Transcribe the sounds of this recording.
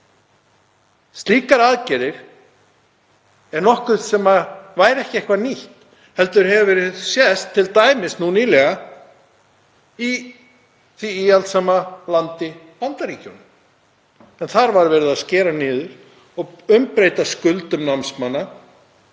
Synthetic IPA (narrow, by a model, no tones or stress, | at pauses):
st̪liːkaɾaðcɛɾɪɾ̥ | ɛɾnɔhkʏðsɛmavaːjɾɛhcɪɛhkvaniht̪ | hɛl̪t̪ʏɾ̥ɦɛvavɛːɾɪðsjɛst̪ʰːɪlt̪aːjmɪsnuniːlɛɣa | i | θviialt̪saːmalant̪ɪ | pant̪aɾiːcɔwnʏm | ɛnθaɾvaɾvɛːɾɪðaðscɛːɾanɪːðʏɾ̥ | ɔɣʏmpɾejt̪askʏlt̪ʏmnamnsmanːa